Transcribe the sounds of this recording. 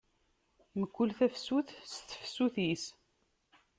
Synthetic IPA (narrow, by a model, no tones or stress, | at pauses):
məkʷːʊlθæfsuθsθə̥fsuθis